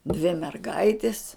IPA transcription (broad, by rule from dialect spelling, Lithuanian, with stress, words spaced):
dʲʋʲɪ mʲɛrˈɡɐɪtʲɪs